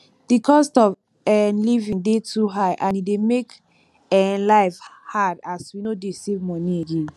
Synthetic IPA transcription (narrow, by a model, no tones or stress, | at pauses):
dikʰɔstɔv | ɛlivĩndetʰuɦaɪʔãnidemek | ɛlaɪfhadaswinodesevmɔnieɡẽn